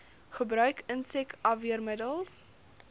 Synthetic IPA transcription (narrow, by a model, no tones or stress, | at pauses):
χəbɾœɥkənsɛkɐviərmədəlˠs